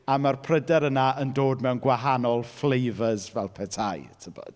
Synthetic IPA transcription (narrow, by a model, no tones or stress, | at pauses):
amarpʰrədɛɾənaəndoːdmɛwnɡwaɦanɔlˠflejvəzvɛlˠpʰɛtʰajtʰəbɔ̰d̥